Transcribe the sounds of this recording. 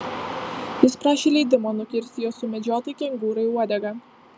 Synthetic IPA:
jɪspɾɑːʃʲeːlʲɛɪd̪ʲɪmoːnʊkʲɪɾʲst̪ʲɪjoːsʊmʲɛd͡ʒʲoːt̪ɐɪkʲɛŋɡuːɾɐɪuɔd̪ʲɛɡɐ

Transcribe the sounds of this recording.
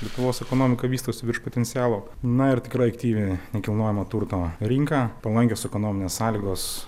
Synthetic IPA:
lʲiɛt̪ʊʋoːsɛkoːnoːmʲɪkɐʋʲiːst̪oʊsʲɪʋʲɪɾʃpoːt̪ʲɛnt̪sʲɪjæːlˠoːnɐɪɾt̪ʲɪkɾɐɪɐkt̪ʲiːʋʲenʲɛkʲɪlˠnoːjɛmɐt̪uɾt̪oːɾʲɪŋkɑːpɐlˠɐŋʲkʲoːsɛkoːnoːmʲɪnʲeːssɑːlʲiːɡoːs

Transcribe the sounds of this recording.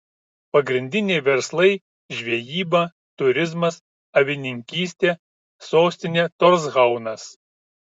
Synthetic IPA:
pɐɡɾʲɪnʲd̪ʲɪnʲeɪʋʲɛɾslˠɐɪ | ʒʲʋʲiɛjiːbɐ | t̪ʊɾʲɪzmɐs | ɐʋʲɪnʲɪŋʲkʲiːsʲt̪ʲeː | soːsʲt̪ʲɪnʲeːt̪ɔɾzɣɐʊnɐs

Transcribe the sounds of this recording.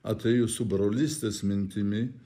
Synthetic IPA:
ɐ̰t̪ʲʰɛːjʊsʊbɾɔlʲisʲt̪ʲesmʲɪnʲt̪ʰʲɪmʲɪ

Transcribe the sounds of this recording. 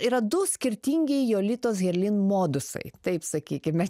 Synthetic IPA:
iːɾɐd̪ʊsʲkʲɪɾʲt̪ʲiːŋʲɡʲɛɪjoːlʲit̪oːsɣʲɛɾʲlʲɪnmoːd̪ʊsɐ̰ɪt̪ɐɪpsɐkʲiːkʲɪmʲɛ

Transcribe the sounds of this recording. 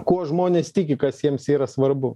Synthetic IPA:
kuɔʒmoːnʲeːst̪ʲɪkʲɪkɐsjiɛmsiːɾɐsʋɐɾbʊ

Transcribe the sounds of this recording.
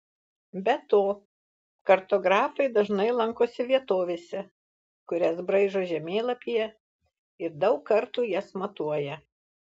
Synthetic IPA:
bʲɛt̪oː | kɐɾt̪oːɡɾɑːfɐɪd̪ɐʒnɐɪlˠɐŋkoːsʲɪʋʲiɛt̪oːʋʲeːsʲɛ | kʊɾʲɛsbɾɐɪʒoʒʲɛmʲeːlˠɐpʲijɛ | ɪɾd̪ɐʊkːɐɾt̪uːjɛsmɐt̪uɔjɛ

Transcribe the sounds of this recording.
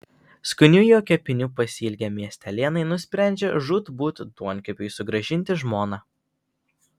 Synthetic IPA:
skʊnʲʊjoːkʲɛpʲɪnʲupɐsʲiːlʲɡʲɛmʲiɛsʲt̪ʲɛlʲeːnɐɪnʊsʲpʲɾʲæˑnʲd͡ʒʲɛʒuːt̪buːt̪ʲd̪uɔnʲkʲɛpʲʊɪsʊɡɾɐʒʲɪnʲt̪ʲɪʒmoːnɑː

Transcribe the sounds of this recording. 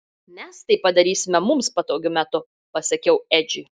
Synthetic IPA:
mʲɛst̪ɐɪpɐd̪ɐɾʲiːsʲɪmʲɛmʊmspɐt̪oːɡʲʊmʲæt̪ʊ | pɐsʲɐkʲɛʊɛd͡ʒʲʊ

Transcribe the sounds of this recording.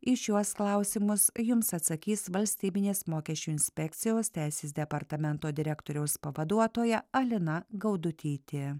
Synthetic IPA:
ɪʃʲuɔsklˠɐˑʊsʲɪmʊsjʊmsɐt̪sɐkʲiːsʋɐlʲsʲt̪ʲiːbʲɪnʲeːsmoːkʲɛʃʲt͡ʃʲuːɪnʲsʲpʲɛkʲt̪sʲɪjoːst̪ʲɛˑɪsʲeːsd̪ʲɛpɐɾt̪ɐmʲɛnt̪oːd̪ʲɪɾʲɛkt̪oːɾʲɛʊspɐʋɐd̪uɔt̪oːjɛɐlʲɪnɐɡɐʊd̪ʊt̪ʲiːt̪ʲe

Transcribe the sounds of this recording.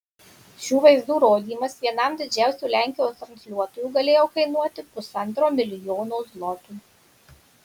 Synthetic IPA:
ʃʲuːʋɐɪzd̪uːɾoːd̪ʲiːmɐsʋʲiɛnɐmd̪ʲɪd͡ʒʲæˑʊsʲuːlʲæˑŋʲkʲɪjoːst̪ɾɐnʲsʲlʲuɔt̪oːjuːɡɐlʲeːjoːkɐɪnuɔt̪ʲɪpʊsɐnt̪ɾoːmʲɪlʲɪjoːnoːzlˠɔt̪uː

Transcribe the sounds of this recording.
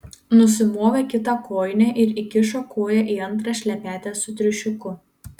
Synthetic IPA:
nʊsʲɪmoːʋʲɐkʲɪt̪ɑkʰoːjnʲɛʔɪɾikʲɪʃokʰoːjɛʔiːɐnˑt̪ɾɑʃʲlʲɛpʲæːt̪ʲæːsʊt̪ʲɾʲɪʃʲʊkʊ

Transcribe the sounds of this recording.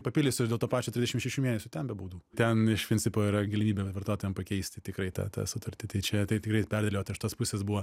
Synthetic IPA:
pɐpʲɪlʲɪsʲʊd̪ʲeːlˠt̪oːpɑːt͡ʃʲoːtʲɾʲɪzʲd̪ʲɛʃɪmʃʲɛʃʲumeːnʲɛsʲʊt̪ʲɛnbʲɛbuːd̪uːt̪ʲɛnɪʃpʲɾɪnʲt͡sʲɪpoːiɾɐɡɐlʲɪmʲiːbʲeʋɐrt̪oːt̪oːjɛmpɐkʲɛɪsʲt̪ʲɪt̪ʲɪkɾɐɪt̪ɑ̰ːt̪ɑ̰ːsʊt̪ɐɾʲt̪ʲɪt̪ɐɪt͡ʃʲɛt̪ɐɪtʲɪkɾɐɪpʲærʲd̪ʲeleoːt̪ʲɐʃtoːspʊsʲeːsbuʋɐ

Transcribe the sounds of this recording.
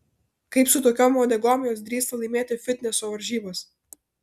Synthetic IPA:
kɐɪpsʊt̪oːkʲoːmoːd̪ʲɛɡɔmʲɪjoːsd̪ʲɾʲiːst̪ɐlˠɐɪmʲeːt̪ʲɪfʲɪt̪ʲnʲɛsoːʋɐɾʲʒʲiːbɐs

